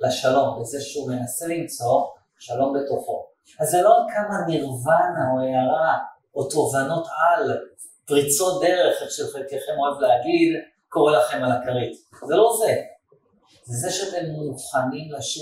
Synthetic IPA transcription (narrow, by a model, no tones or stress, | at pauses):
laʃalo̞mbezeʃeume̞nase̞limt͡so̞ | ʃalo̞mbe̞t̪o̞χo̞ | azːelo̞akamaniʁvanaoejaʁa | oto̞vano̞t̪al | pʁit͡so̞t̚d̪e̞ʁe̞χeχʃelχateχemoavleaɡid̪ | ko̞ʁelaχe̞malakaʁit | zelo̞ze̞ | zezeʃeat̪e̞mːuχanimlaʃ